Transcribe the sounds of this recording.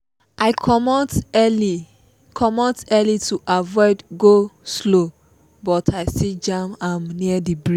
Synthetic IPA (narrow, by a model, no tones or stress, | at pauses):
ʔaɪkʰɔmɔtɛli | kʰɔmɔ̃tɛlituʔavɔɪdɡoslo | bɔtʰaɪsid͡ʒãmãmniədibɹi